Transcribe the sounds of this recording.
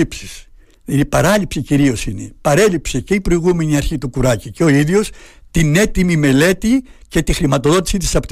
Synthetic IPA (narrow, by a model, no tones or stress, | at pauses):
ipsis | ipɐɾɐlipsiciɾio̞sine̞̰pɐɾe̞lipse̞ce̞ipɾo̞iɣume̞niɐɾçit̪ukuɾɐciceo̞iðʝo̞st̪ine̞t̪imime̞le̞t̪ice̞t̪ixɾimɐt̪o̞ðo̞t̪̬i̥sit̪i̥sɐpot̪